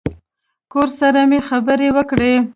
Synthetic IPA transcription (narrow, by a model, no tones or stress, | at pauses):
koɾsaɾamexabəɾewəkɽe